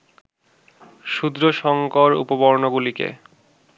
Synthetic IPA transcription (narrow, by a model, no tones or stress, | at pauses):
ʃud̪ɾoʃɔŋkoɾṵpobɔɾnoɡulikḛ